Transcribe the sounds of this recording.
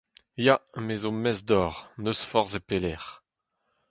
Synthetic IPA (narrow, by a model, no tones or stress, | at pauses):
jamezõmɛzd̪ɔːʁnøsfɔʁzepelɛʁ